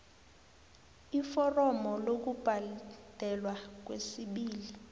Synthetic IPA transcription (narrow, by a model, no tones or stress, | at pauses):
ifɔrɔmɔlok̬ub̥ʱad̥ʱɛlwak̬wesiɓiːli